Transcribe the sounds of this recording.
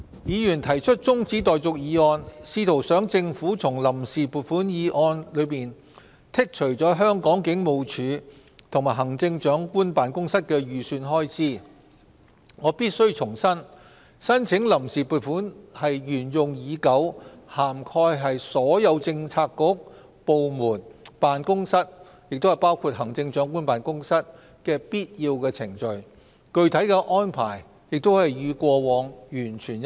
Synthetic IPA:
jiː˨˧jyː˨˩nt̪ʰɐ˨˩jt͡ʃʰɵ˥t̚t͡sʊ˥ŋt͡siː˨˥t̪̬ɔː˨jt͡sʊ˨k̚jiː˨˧ɔː˧nsiː˧t̪ʰo˨˩wsœː˨˥ŋt͡sɪ˧ŋfuː˨˥t͡sʰʊ˨˩ŋlɐ˨˩msiː˨puː˨t̚fuː˨˥njiː˨˧ʔɔː˧nlɵ˨˧ɥpiː˨n | t̪ʰɪ˥k̚t͡ʃʰɵ˨˩ɥt͡sɔː˨˥ɦœː˥ŋkɔː˨˥ŋkɪ˨˥ŋmo˨˧wt͡ʃʰyː˨˧ | t̪ʰʊ˨˩ŋmaː˨˩jɦɐ˨˩ŋt͡sɪ˧ŋt͡ʃœː˨˥ŋkuː˥npaː˨˥nkʊ˥ŋsɐ˥t̚kɛː˧ɥyː˨˩syː˧nɦɔː˥jt͡siː˥˩ | ŋɔː˨˧piː˥t̚sɵ˥ɥt͡sʰʊ˨˩ŋsɐ˥n | sɐ˥nt͡sʰɪ˨˥ŋlɐ˨˩msiː˨puː˨˩t̚fuː˨˥nhɐ˨jɥyː˨˩njʊ˨ŋjiː˨˧kɐ˨˥whaː˨˩mkʰɔː˧jɦɐ˨jsɔː˨˥jɐ˨˧wt͡sɪ˧ŋt͡sʰaː˧kːʊ˨˥k̚ | po˨wmuː˨˩npaː˨nkʊ˥ŋsɐ˥t̚ | jɪ˨k̚t̪o˥whɐ˨˩jpaː˥wkʰuː˧t̚hɐ˨˩ŋt͡sɪ˧ŋt͡ʃœː˨˥ŋkuː˥npaː˨nkʊ˥ŋsɐ˥t̚ | kɛː˧piː˥t̚jiː˧wkɛː˧t͡sʰɪ˨˩ŋt͡ʃɵ˨ɥ | kɵ˧ɥt̪ʰɐ˨˥jkɛː˧ʔɔː˥npʰa̰ː˨˩j | jɪ˨k̚t̪o˥whɐ˨jːyː˨˧kʷɔː˧wɔː˨˧ŋjyː˨˩nt͡ʃʰyː˨˩n

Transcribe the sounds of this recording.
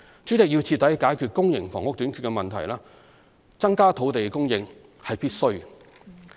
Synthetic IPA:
t͡ʃyː˨˥t͡sɪ˨k̚ji˧wt͡sʰiː˧t̪ːɐ˨˥jkaː˨˥jkʰyː˧t̚kʊ˥ŋjɪ˨˩ŋfɔː˨˩ŋʊ˥k̚t̪y˨˥nkʰyː˨˧tkɛ˧mɐ˨nt̪ʰɐ˨˩jlaː˥ | t͡sɐ˥ŋkaː˥t̪ʰo˨˥wt̪e˨jkʊ˥ŋjɪ˧ŋ | hɐ˨jpiː˥t̚sɵ˥ɥ

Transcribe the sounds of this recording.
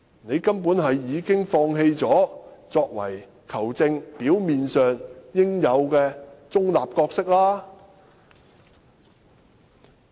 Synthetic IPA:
ne˨˧jkɐ˥mpuː˨˥nɦɐ˨jːiː˨˧kɪ˥ŋfɔː˧ŋɦe˧jt͡sɔː˨˥t͡sɔː˧k̚wɐ˨˩j | kʰɐ˨˩wt͡sɪ˧ŋpiː˨˥wmiː˨nsœː˨ŋjɪ˥ŋjɐ˨˧wkɛː˧t͡sʊ˥ŋlaː˨p̚kɔː˧k̚sɪ˥k̚laː˥

